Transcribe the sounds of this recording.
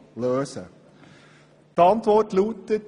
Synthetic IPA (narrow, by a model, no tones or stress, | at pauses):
løːsə̰ | t̪əɑnt̪ʋɔrtluːt̪ːət̪